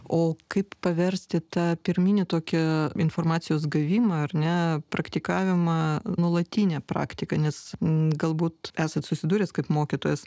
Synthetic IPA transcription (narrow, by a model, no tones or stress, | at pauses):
oːkɐɪppɐʋʲɛɾʲsʲt̪ʲɪt̪ɑːpʲɪɾʲmʲiːnʲɪt̪oːkʲɛɪnfoːrmɑːt̪sʲɪjoːsɡɐʋʲiːmɐɐrnʲɛpɾɐkt̪ʲɪkɑːʋʲɪmɐnuɔlˠɐt̪ʲiːnʲɛpɾɑ̰ːkt̪ʲɪkɐnʲɛsɡɐlˠbuːt̪æːsɐt̪sʊsʲɪd̪uːɾʲɛskɐɪpmoːkʲɪt̪oːjɛs